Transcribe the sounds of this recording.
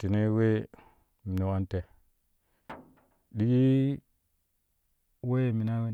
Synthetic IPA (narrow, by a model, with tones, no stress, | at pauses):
ti˨ne˦we˦ | mi˨na˨wa˦nte˨ | ɗi˦i˦ | we˦˨mi˨na˦we˦n